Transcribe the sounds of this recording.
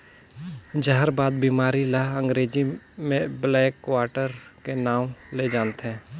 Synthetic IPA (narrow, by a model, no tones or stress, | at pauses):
d͡ʒəɦəɾbaːd̪̚biːmaːɾiləɦə̃ŋɡɾeːd͡ʒimẽblɛːkːwaːɾʈəɾkenaːwled͡ʒaːnt̪ɦɛ̃ː